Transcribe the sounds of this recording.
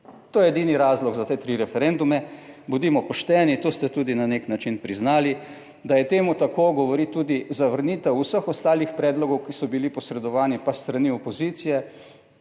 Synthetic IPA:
t̪oːjɛɛd̪iːniɾaːzlɔɡzat̪eːt̪ɾiɾɛfɛɾend̪umɛbud̪iːmɔpɔʃt̪ɛːnit̪oːst̪ɛt̪uːd̪inaneknat͡ʃinpɾiznaːli | d̪ajɛt̪eːmut̪akoːɡɔʋɔɾit̪ːuːd̪izaʋəɾniːt̪ɛwusəxɔst̪aːlixpɾɛːd̪lɔɡɔwkisɔbilipɔsɾɛd̪ɔʋaːnipast̪ɾaniɔpɔzit̪sijɛ

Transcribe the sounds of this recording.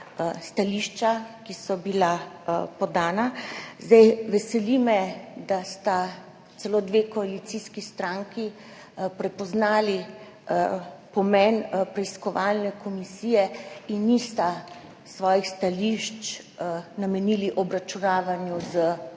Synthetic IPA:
st̪aliʃt͡ʃakisɔbilapɔd̪aːnazd̪ajʋɛsɛlimɛd̪ast̪a | t̪sɛloːd̪ʋekɔalit̪siːskist̪ɾaŋki | pɾɛpɔznaːli | pɔmɛnpɾɛiskɔʋalnɛkɔmisiːjɛinːist̪a | sʋɔːjixst̪aliʃt͡ʃ | namɛniliʔɔbɾat͡ʃunaːʋanjuzə

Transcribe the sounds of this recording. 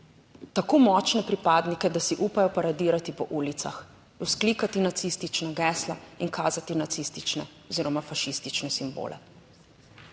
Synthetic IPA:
t̪akoːmɔːt͡ʃnɛpɾipaːd̪nikɛd̪asiʔupajɔpaɾad̪iːɾat̪ipɔʔuːlit̪sa̰x | uskliːkat̪inat̪sist̪it͡ʃnaɡɛːsla̰inkaːzat̪inat̪sist̪it͡ʃnɛɔziːɾɔmafaʃist̪it͡ʃnɛsimbo̰ːlʔɛ̰

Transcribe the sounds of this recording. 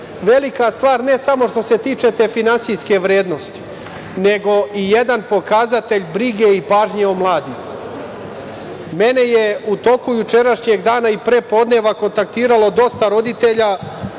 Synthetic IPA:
ʋe̞likast̪ʋaːɾne̞samo̞ʃt̪o̞se̞t̪iːt͡ʃe̞t̪e̞finansijske̞ʋɾe̞ːd̪no̞st̪i̥ | ne̞ɡo̞ije̞d̪anpo̞kazat̪e̞ʎbɾiɡe̞ipaːʒɲeomlˠaːd̪im | me̞ne̞je̞ut̪o̞kujut͡ʃe̞ɾaʃɲeɡd̪aːnaipɾeːpo̞d̪ne̞ʋako̞nt̪ak̚t̪iːɾalo̞d̪o̞st̪aɾo̞d̪it̪e̞ʎa

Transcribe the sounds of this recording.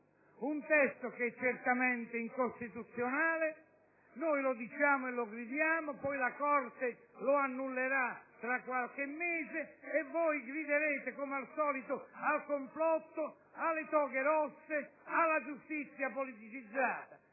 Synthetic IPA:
unt̪ɛst̪ʊk̟ɛt͡ʃːert̪amɛnt̪ɪiŋkost̪it̪ut̪sjonaːlɪ | nojlʊd̪it͡ʃaːmʊɛlːʊɡɾid̪jaːmʊpɔjlakɔrt̪ɪ | lʊanːulːeɾat̪ːɾakːwalk̟ɪmːɛːzɪːvːɔjɡɾid̪eɾeːt̪ɪkomealsɔːlit̪ʊalkoɱflɔt̪ːʊ | alːɪt̪ɔːkɪɾɔsːɪalːad͡ʒust̪it̪sːjapolit̪it͡ʃid̪zːaːt̪a

